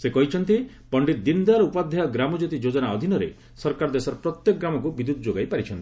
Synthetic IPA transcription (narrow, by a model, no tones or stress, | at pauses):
sekɔɦit͡ʃʰɔnt̪i | pɔɳɖit̪d̪ind̪aɾɔupad̪ʱjaɔɡɾamɔd͡ʒot̪id͡ʒod͡ʒɔnaɔd̪ʱinɔɾḛ | sɔɾkaɾɔd̪esɔɾɔpɾɔt̪jɔk̚ɡɾamɔkubid̪ud̪ɔd͡ʒoɡajpaɾit͡ʃʰɔnt̪i̥